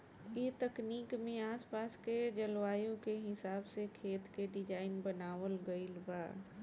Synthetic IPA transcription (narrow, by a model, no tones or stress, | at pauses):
et̪ɐkniːkmẽaːspaːsked͡ʒɐlʋaːjõkeɦɪsaːbsekʰeːt̪keɖɪd͡ʒaːɪnbənaːʋəlɡəɪlbaː